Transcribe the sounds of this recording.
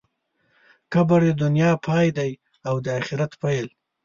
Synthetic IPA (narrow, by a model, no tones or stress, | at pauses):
kabaɽed̪ʊnjɑpʰɑjd̪aj | awd̪əaxɪɾat̪pajl